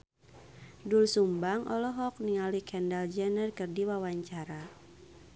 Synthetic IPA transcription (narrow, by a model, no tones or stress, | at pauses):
dulsumbaŋʔɔlɔɦɔk̚niŋalikʰɛndald͡ʒɛnərkɨrdiwawaɲt͡ʃaɾa